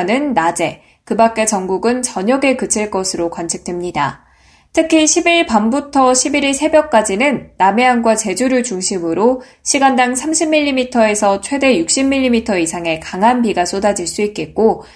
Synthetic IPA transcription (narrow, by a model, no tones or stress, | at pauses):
nɯnːad͡ʑe̞ | kɯbak͈e̞t͡ɕʌŋɡuɡɯnt͡ɕʌɲʌɡe̞kɯt͡ɕʰiɭk͈ʌsʰɯɾokwant͡ɕʰik̚t͈wemɲida | tʰɯkʰiɕʰibiɭpambutʰʌɕʰibiɾiɭsʰe̞bjʌk̚k͈ad͡ʑinɯnːame̞anɡwat͡ɕe̞d͡ʑuɾɯɭt͡ɕuŋɕʰimɯɾo | ɕʰiɡandaŋsʰamɕʰimːiʎːimitʰʌe̞sʰʌt͡ɕʰwe̞de̞juk̚ɕ͈imːiʎːimitʰʌisʰaŋe̞kaŋɦanpiɡas͈ʰodad͡ʑiɭs͈uit̚k͈e̞t̚k͈o